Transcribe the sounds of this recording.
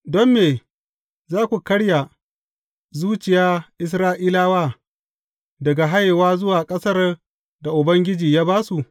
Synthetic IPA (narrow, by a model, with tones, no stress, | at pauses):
dɔ˦mːeː˨ | zaː˦kʷu˨kɐ˦ɽja˨ | zuː˦t͡ʃɪ˨jaː˦ʔɪ˦s̬ɾaː˦ʔiː˦laː˦waː˦˨ | dɐ˨ɡa˨ɦa˦jwaː˦zʊ˦waː˨kʼɐ˦sɐ˦r | da˨ʔʊ˨bɐ˦ŋɡʲɪ˦d͡ʒiː˨jaː˦baː˦su˨ʔ